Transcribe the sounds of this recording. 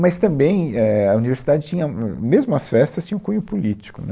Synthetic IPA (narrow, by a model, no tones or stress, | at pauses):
mɐst̪ɐ̃bẽj̃ɛɐuniveɾsid̪ad͡ʒɪt͡ʃĩɲɐmezmʊɐsfɛst̪ɐst͡ʃĩɐ̃ʊ̃kũɲʊpulit͡ʃi̥kʊnɛ